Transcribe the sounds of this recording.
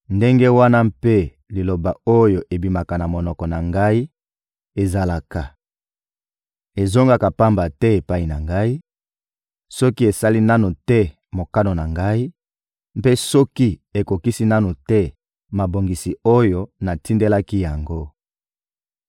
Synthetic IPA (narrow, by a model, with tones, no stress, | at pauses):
nde˦ŋɡe˦wa˦na˦mpe˦ | li˨lo˨ba˨o˦jo˨ʔe˨bi˨ma˨ka˨na˨mo˨nɔ˨kɔ˨na˨ŋɡa˦i˦ | e˨za˨la˨ka˨ | e˨zo˦ŋɡa˦ka˨pa˦mba˨tɛ˦e˨pa˦i˨na̰˨ŋɡa˦i˦ | sɔ˦ki˦e˨sa˦li˦na˦nu˨tɛ˦ | mo˨ka˦no˨na˨ŋɡa˦i˦ | mpe˦sɔ˦ki˦e˨ko˨ki˦si˦na˦nu˨tɛ˦ | ma˨bo˨ŋɡi˨si˨o˦jo˦na˨ti˦nde˦la˦ki˦ja˨ŋɡo˦